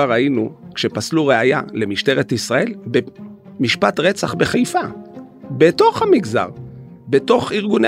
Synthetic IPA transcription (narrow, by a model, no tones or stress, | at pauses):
aʁainukʃe̞pasluʁeaja̰le̞miʃte̞ʁetisʁae̞lbe | miʃpatʁe̞t͡saχbe̞χajfa | beto̞χhamiɡza̰ʁbeto̞χiʁɡune